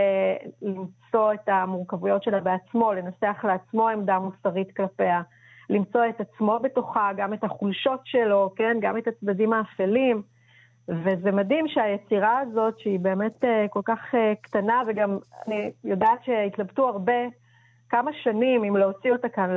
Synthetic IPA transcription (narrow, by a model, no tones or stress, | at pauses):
limt͡so̞e̞tamuʁkavujo̞tʃe̞labeat͡smo̞le̞naseaχleat͡smo̞emdamusaʁitklape̞a | limt͡so̞etat͡smo̞be̞toχaɡame̞taχulʃo̞tʃe̞lo̞ke̞nɡame̞tat͡sdadimaːfelim | veze̞madimʃeajet͡siʁaːzo̞tʃeibe̞ːme̞teko̞lkaχektanaveɡama̰nijo̞daːtʃe̞itlabtuaʁbe̞ | kamaʃanimimleot͡sio̞takanl